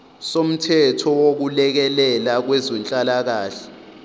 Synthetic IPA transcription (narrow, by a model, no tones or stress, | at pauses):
som̩tʰɛtʰɔwok̬ulɛk̬ɛlɛlak̬wɛzɛnt͡ɬʼalak̬aːɬɛ̥